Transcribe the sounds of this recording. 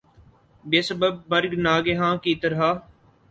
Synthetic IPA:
beːsəbəbːəɾɡnaːɡeɦãːkit̪əɾɦaː

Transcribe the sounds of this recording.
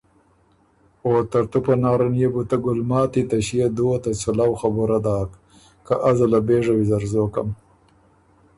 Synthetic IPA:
oːt̪aɾt̪upanɑːɾanjebut̪aɡʊlmɑːt̪it̪aʃijed̪oːt̪at͡sulawxabuɾad̪ɑːk | kaʔazalabeːʐawizaɾzoka̰m

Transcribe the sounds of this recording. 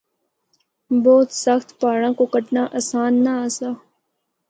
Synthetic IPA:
bɔːt̪səxt̪paːɽãːkokəʈnaːʔasaːnːaəsaː

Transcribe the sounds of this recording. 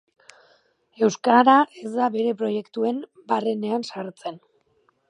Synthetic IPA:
e̞wskaɾae̞zd̪aβe̞ɾe̞pɾo̞je̞kt̪ue̞m | bare̞ne̞ansaɾt͡se̞n

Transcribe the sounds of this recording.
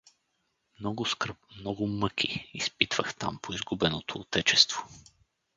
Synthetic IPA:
mnɔɡʊskɾ̩p̚mnɔɡʊmɤkʰiispit̪v̥əxt̪a̰mpoizɡubɛnot̪oːt̪ɛt͡ʃɛst̪v̥o̥

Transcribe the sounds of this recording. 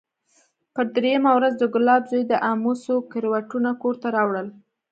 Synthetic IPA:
pəɾd̪ɾejamawɾazd̪əɡʊlɑbzojd̪əʔamusokɪɾwaʈunakoɾt̪aɾɑwɽəl

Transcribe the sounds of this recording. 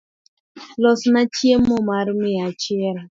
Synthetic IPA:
lɔsnat͡ʃiemɔmaɾimɪat͡ʃiɾa

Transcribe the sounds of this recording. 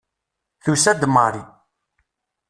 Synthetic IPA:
θusæd̪məɾˤi

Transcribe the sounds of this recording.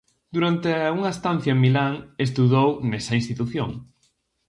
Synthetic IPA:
d̪uɾant̪euŋɐest̪an̟θjɐemilaŋes̬t̪uðownɛsɐinst̪it̪uθjoŋ

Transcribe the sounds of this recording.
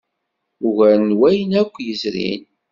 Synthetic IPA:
ʊʝænwæjənækʷːjəzɾḭn

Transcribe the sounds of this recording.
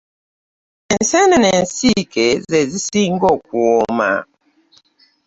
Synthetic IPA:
ɛnsɛnɛnɛn̩sikɛzɛzisiŋɡɔkwɔma̰

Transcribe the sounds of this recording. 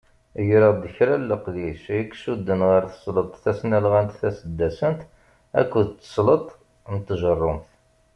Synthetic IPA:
jɾəd̪əçɾælːəqðisəkːsud̪ːənʁəɾθə̥sˤlət̪ˤθæsnælʁænt̪θæsəd̪ːæsənt̪ | æ̰kːʊðt͡s̪ːə̥sˤlət̪ˤ | mət̪ːʒərˤːʊmθ

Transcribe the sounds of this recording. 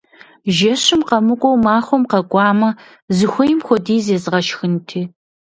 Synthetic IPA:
ʒɐɕɨmqɐmɨqʷʼɔwmaːχʷɔmqɐɡʷʼɑːmɐ | zɨxʷɔjɪmxʷɔdiːzeːzɨʁɐʃxɨntʰiː

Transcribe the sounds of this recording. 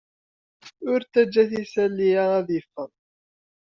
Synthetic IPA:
ʊɾt̪ːæd͡ʒːæθisælːiææðəfːən

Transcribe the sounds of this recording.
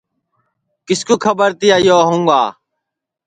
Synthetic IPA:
kɪskoːkʰəbəɾt̪ɪjaːjoːɦũːŋɡa̰ː

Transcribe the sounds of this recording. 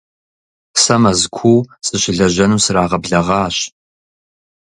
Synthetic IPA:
sɐmɐzkʷʰuːwsʼɨɕɪɮɐʑɐnuːsɨraːʁɐbɮɐʁɑːɕ

